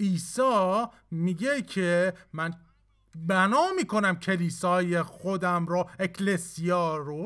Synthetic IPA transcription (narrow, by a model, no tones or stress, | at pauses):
ʔiːsɒː | miːɟecʰemæn | bænɒːmiːkʰo̞næmcʰe̞liːsɒːjexod̪æmɾɔekʰlesiɒːɾo